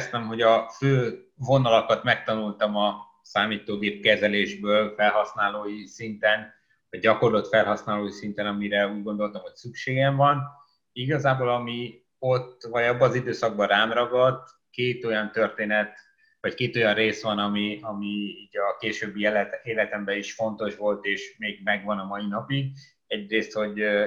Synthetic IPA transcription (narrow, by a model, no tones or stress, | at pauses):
st̪ɛmɦo̞ɟɒføː | vo̞nɒlokɒt̪mɛkt̪ɒnult̪ɒmɒ | saːmiːt̪oːɡ̪eːp̚kɛzɛleːʒbøːlfɛlɦɒsnaːloːjisint̪ɛn | vɒɟ̚ɟɒko̞rlot̪fɛlɦɒsnaːloːjisint̪ɛnɒmiɾɛuːɟɡo̞nd̪o̞lt̪ɒmho̞csykʃeːɡɛɱvɒn | iɡɒzaːboːlɒmi | o̞t̪ːvɒɟɒbːɒːzid̪øːsɒɡ̚bɒɾaːmrɒɡɒd̪ | keːt̪o̞jɒnt̪ø̞rt̪eːnɛt̪ | vɒckeːt̪o̞jɒnreːsʋɒnɒmiɒmiiːɟɒkeːʃøːbːileːlɛt̪ɛmbɛiʃfo̞nt̪o̞ʃʋo̞lt̪eːʃmeːɡ̚mɛɡʋɒnɒmɒjinɒpiɡ | ɛɟreːst̪ho̞ɟ